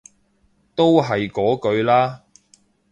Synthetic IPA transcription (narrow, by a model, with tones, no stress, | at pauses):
t̪o˥wɦɐ˨jkɔː˨˥kɵ˨˧ɥlaː˥